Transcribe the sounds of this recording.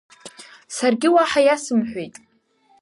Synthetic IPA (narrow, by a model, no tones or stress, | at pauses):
sarɡʲɪwaħajasɨmħʷᶣejtʼ